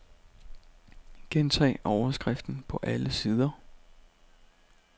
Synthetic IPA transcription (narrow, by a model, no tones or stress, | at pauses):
ɡ̥ent͡sʰɛ̰ːɪɒʊɐsɡ̥ʁafd̥n̩pʰɒ̽ʔæləsiːð̞ˠɐ